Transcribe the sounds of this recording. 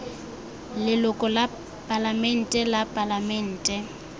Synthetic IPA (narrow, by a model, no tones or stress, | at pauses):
lɪlʊkʼɔla | pʼalamɛn̩tʼɛlapʼalamɛn̩ːtʼɛ